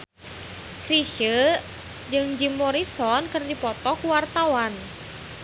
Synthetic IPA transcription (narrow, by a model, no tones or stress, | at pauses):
kɾiʃə | d͡ʒɨŋd͡ʒimːɔɾisɔnkɨrdipɔt̪ɔkuwart̪awan